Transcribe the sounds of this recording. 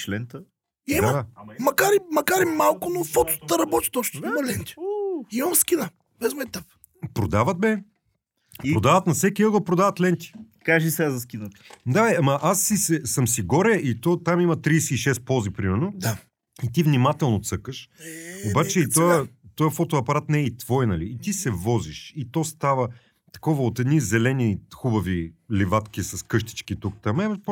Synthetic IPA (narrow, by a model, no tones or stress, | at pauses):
t͡ʃlɛnt̪ə | imaəamɐkaɾimɐkaɾimalˠkʊnofɔt̪ʊ̥t̪əɾɐbɔt̪ʲi̥t̪ɔt͡ʃnoimɐlɛnt̪ʲi̥imɐmskinə | bɛzmɛt̪ap | pɾod̪avət̪̚bɛ | piɾɾod̪avət̪nɐsɛkʲiəɡəl̩ˠpɾod̪avət̪lɛnt̪ʲi̥ | kaʒisɛazɐs̬kʲinət̪d̪aamɐʔasːisɛsəmsiɡɔɾɛʔit̪ɔt̪amimɐt̪ɾiːsɛiʃɛst̪̚pɔzipɾimɛɾnod̪a | it̪ivnimat̪ɛlˠnot̪sɤkəʃobat͡ʃɛit̪ɔət̪ɔjəfɔt̪oɐpɐɾat̪nɛɛit̪v̥ɔjnɐliːt̪isɛvɔziʃit̪ɔst̪avə | t̪ɐ̥kɔvɐot̪ɛd̪nizɛlɛnixubɐvilivat̪k̟ʲisɐskɤʃt̪i̥t͡ʃkit̪ukt̪amɛvp